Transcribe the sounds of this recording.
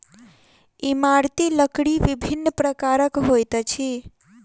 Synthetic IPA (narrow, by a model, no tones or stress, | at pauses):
imaɾt̪iləkɽiʋibʱinːəpɾəkaɾəkɦojt̪t͡ʃʰi